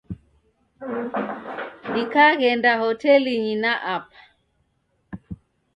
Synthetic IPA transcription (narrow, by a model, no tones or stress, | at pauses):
ikaɣɛndahɔtɛliɲinaʔapḁ